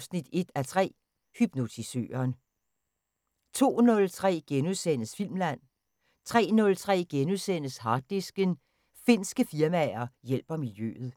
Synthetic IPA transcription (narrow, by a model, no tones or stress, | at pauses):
snid̥e̝d̥æt͡sʰʁɛ̰ː | hyb̥no̝t͡sʰisø̰ːɐːn | t͡sʰo̝̰ːnɔ̽lt͡sʰʁɛ̰ːɡ̥enuðˠsen̰əsfil̰mlæn̰ | t͡sʰʁɛ̰ːnɔ̽lt͡sʰʁɛ̰ːɡ̥enuðˠsen̰əshɑ̈ːd̥isɡ̥ən | fe̝n̰sɡ̥əfiɐmæɐjel̰b̥ɐmiljø̰ð̞̩ˠ